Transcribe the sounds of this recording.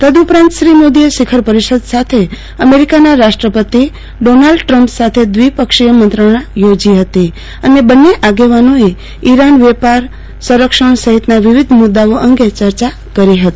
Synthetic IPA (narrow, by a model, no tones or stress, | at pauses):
t̪əd̪upɾãnt̪ʃɾimod̪ieʃɪkʰəɾpəɾiʃəd̪sat̪ʰe | əmeɾikanaɾaʃʈɾəpət̪i | ɖonalɖʈɾə̃mpsat̪ʰed̪ʋipəkʃijəmənt̪ɾəɽ̃ajod͡ʒiɦət̪i | ənebənːeʔaɡeʋanoe | iɾanʋepaɾ | sə̃ɾəkʃəɳ̃səɦit̪naʋɪʋid̪ʱmʊd̪ːaoʔə̃ŋɡet͡ʃəɾt͡ʃa | kəɾiɦət̪i̥